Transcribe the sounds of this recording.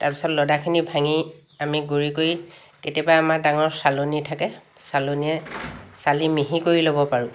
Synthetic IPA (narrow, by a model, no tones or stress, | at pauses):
taɹpisɔtlɔdakʰinibʱaŋi | amiɡuɹikoj | ketiɔbaamaɹdaŋɔɹsalonitʰakɛ | saloniɛsalimiɦikoɹilobɔpaɹʊ̃